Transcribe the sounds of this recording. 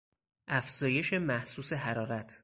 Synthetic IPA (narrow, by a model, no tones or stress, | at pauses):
ʔæfz̥ɒːje̞ʃe̞mæhsuːse̞ɦæɾɒːɾæt̪ʰ